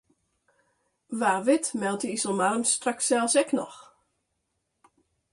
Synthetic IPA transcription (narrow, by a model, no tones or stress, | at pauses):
ʋaːʋɪtmɛlˠtəisəlˠmarəmstraksɛlˠsɛknɔ̰x